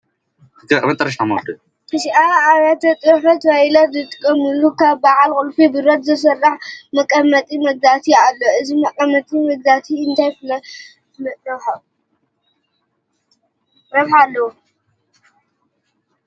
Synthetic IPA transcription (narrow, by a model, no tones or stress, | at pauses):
ɨd̪ɐkʼmɐt̪ʼɐɾɐʃamɐd̪u | kʰɨʃʔaaɾɐt̪ɐt̪ʼɨɾħfɐt̪wajlɐzɨt̪ʼɨ̥kʼːɐmɨlukʰaβbaʕalkʼʊlfibɨɾɐt̪zɐsɐrːaħmɐkʼɐmːɐt̪ʼimɐɡ̚zat̪ʰialːoɨzimɐkʼɐmːɐt̪ʼimɐɡ̚d̪at̪ʰiɨnt̪ʰajfɨlɐ | mɐt̪ʼɐħɐ | ɾɐβħalːɐwu